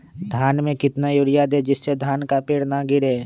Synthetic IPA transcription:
d̪ʱaːnmẽkɪt̪najʊɾɪjad̪ed͡ʒɪsːed̪ʱaːnkapeːɽnaɡɪɾeː

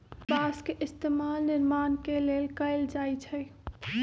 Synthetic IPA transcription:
baːskeʔɪst̪eːmaːlnɪɾmaːnkeleːlkəɪld͡ʒaːit͡ʃʰɛ

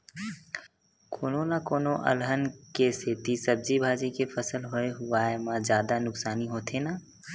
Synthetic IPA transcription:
kʰoːnõnakoːnõʔɐ̰lɦənkeset̪isɐb̚d͡ʒibʱaːd͡ʒikefəsəlɦoeɦʊaːemãzjaːd̪anʊksaːniɦoːt̪ʰenaː

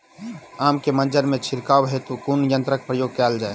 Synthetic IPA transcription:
aːmkemənd͡ʒəɾmẽt͡ʃʰiɾkawɦet̪okunjə̃nt̪ɾək̚pɾəjoːɡ̚kɛːld͡ʒae

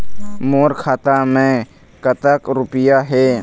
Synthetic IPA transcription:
moːɾkʰaːt̪amẽ | kət̪əkɾʊpɪjaɦɛː

